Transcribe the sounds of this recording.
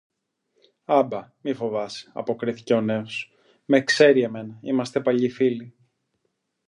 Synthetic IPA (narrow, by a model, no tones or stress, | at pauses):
ɐbɐmifo̞vɐsɐ̰po̞kɾiθi̥ce̞o̞ne̞os | me̞kse̞ɾie̞me̞nɐimɐst̪e̞pɐʎifili